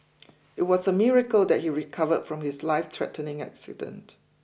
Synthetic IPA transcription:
ɪt̚wɔsəmiɹəkəld̪ɛt̚hiɹikʰavədfɹɔ̃mhɪslaɪft̪ʰɹɛ̰tənɪ̃ŋa̰ksɪ̰də̰̃nt

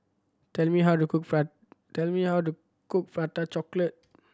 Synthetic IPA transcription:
tɛlmiɦawtukuk̚fa | tɛlmihawtu | kuk̚fɹatat͡ʃɔklət̚

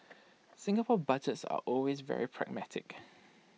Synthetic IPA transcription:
sɪ̃ŋɡəpʰɔbad͡ʒətsa̰ʔɔlwezvɛ̰ɹipʰɹɛ̰ɡ̚matʰɪk

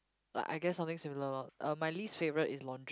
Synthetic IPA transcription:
la̰ɪʔa̰ɪɡɛtsãmt̪ɪ̃ŋsɪ̃mɪləəlɔt̚ʔʌmaɪliːstfevəɹətɪslɔ̃ndɹ

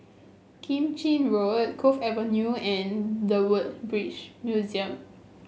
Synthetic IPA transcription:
kʰĩmt͡ʃĩnɹoət̚kʰofɛvənjuɛ̃ndəwət̚bɹit͡ʃmjuziə̃m

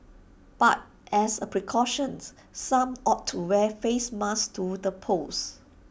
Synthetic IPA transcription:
b̥a̰t̚ | ʔɛsəpɹikʰɔʃə̃ns | sːãmʔɔtʰːuwɛfesmastʰudəpʰos

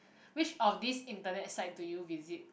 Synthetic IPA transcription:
wit͡ʃɔfdisĩntənɛtsaɪt̚tːujuvizit̚

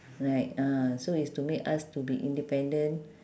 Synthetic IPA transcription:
ɹaɪt̚ãsoistumekastubiʔḭ̃ndipɛ̃ndə̃n

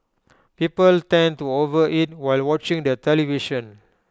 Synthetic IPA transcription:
pipəltɛ̃ntuovəʔit̚waɪlwɔt͡ʃĩŋdətɛliviʃə̃n

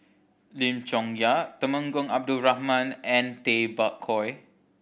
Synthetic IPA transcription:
lĩmt͡ʃɔ̃ŋjat̪əmə̃ŋɡɔ̃ŋab̚duɹahmãnɛ̃nt̪ebaʔkʰɔj

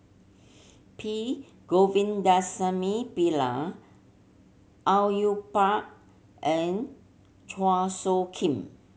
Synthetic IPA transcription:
pʰi | ɡ̥ovĩndasəmipila | ʔawjupak̚ | ʔɛ̃n | tʰwasokʰĩm

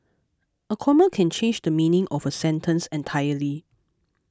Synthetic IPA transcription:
əkʰɔməkʰɛ̃nt͡ʃʰẽnd͡ʒdəmĩnɪ̃ŋʔɔfəsɛ̃ntʰə̃nsɛ̃ntʰajəli

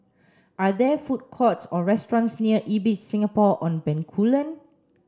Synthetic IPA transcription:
ʔadɛfut̚kʰɔtsɔɹɛstɹɔ̃nsniəʔibit͡ʃsĩŋapɔʔɔ̃nbɛ̃nkʰulə̃n

